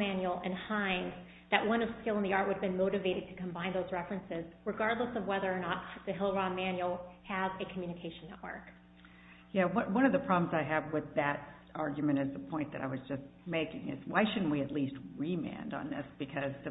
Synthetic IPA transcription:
mæ̃njl̩ˠɨ̃nhãɪ̃nz | ðɨʔ̚wʌ̃nʌv̥skɪlˠə̃nðiɑɹtʔ̚wəɾɨvbɨ̃nmoʊɾɨveɪɾɨd̚tʰɨ̥kʰɨ̃mbãɪ̃nðoʊzɹɛfɹɨ̃nsɪzɹɨɡɑɹdˡləsʌvwɛðə˞ːnət̚ðɨɦɪlˠɹɑmæ̃njl̩ˠɨzɨkʰmjʉñɨkʰeɪʃɨ̃n̩nɛʔwə̰˞k | jæwʌnwʌ̃ñʌvðɨpʰɹ̥ɑbləmzaɪɨvwɪðɨɾ | ɑɹɡjɨmɨ̃ɾ̃ɨzðəpʰɔ̃ɪ̃nðɨɾʔa̰ɪwʌzd͡ʒʌsmeɪkɪ̰̃ŋɨ̰zwaɪʃʊdⁿn̩ʔwiɨtˡlist̚ɹimæ̰̃ndn̩ðɪ̰sb̥ɨkʰʌzðɨ

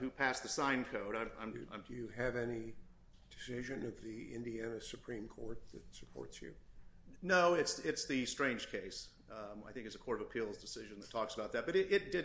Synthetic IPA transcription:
hʉpʰæsðɨsãɪ̃nkʰoʊɾãɪ̃ã̰ɪ̃mã̰ɪ̃ɨjɨɨvɛni | d̥ɨsɪʒɨ̃nʌvðiɪ̰̃ndiænɨsɨpʰɹ̥ĩmkʰɔ̰ɹt̪̚ðɨ̰tsɨ̥pʰɔ̰ɹtsjʉ̰noʊɪtsɪtsðɨstɹ̥ẽɪ̃nʒ̥kʰeɪs | a̰ɪθɪ̃ŋkɨtsɨkʰɔɹɾʌvəpʰilˠzdɨsɪʒɨ̃nðətʰɔksəbaʊt̪̚ðɨt̚b̥ʌɾɪɾɪt̚d̥ɨ

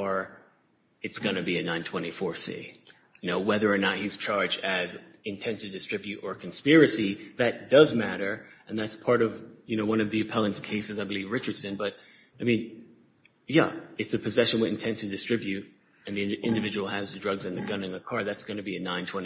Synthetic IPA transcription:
ə˞ | ɨtsɡ̥ʌnɨbiɨnãɪ̃ntʰw̥ɛ̃ɾ̃ifɔɹsḭ | ɨnoʊwɛðə˞ːnət̚hiz̥t͡ʃʰɑɹd͡ʒdɨzɨ̃ntʰɛ̃ntʰɨdɨstɹ̥ɪbjʉɾə˞kʰn̩spɪɹɨsiðɨt̚d̥ʌzmæɾə˞ɨ̃nðætspʰɑɹɾʌvjɨnoʊwʌ̃nʌvðiɨpʰɛlˠə̃nskʰeɪsɨzaɪbɨlivɹɪt͡ʃə˞d̥sɨ̃nbʌɾ̚ | aɪmĩn | jæ̰ɨtsɨpʰɨzɛʃɨ̃nwðɨ̃n̩tʰɛ̃ntʰɨdɨstɹ̥ɪbjʉɾ | ɨ̃nðĩʔɪ̃ndɨvɪd͡ʒɨwl̩ˠɨzðɨdɹʌɡzɨ̃nðɨɡʌ̃nɨ̃nðɨkʰɑɹðætsɡ̥ʌnɨbiɨnãɪ̃ntʰw̥ɛ̃ñ

